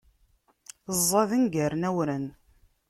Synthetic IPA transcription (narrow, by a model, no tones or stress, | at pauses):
zˤːɑðənɡærnæwɾən